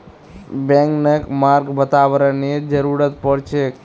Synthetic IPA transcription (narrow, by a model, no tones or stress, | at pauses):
bẽŋknəkmaɾɡbət̪aʋɾənid͡ʒəɾuɾət̪pəɽt͡ʃʰe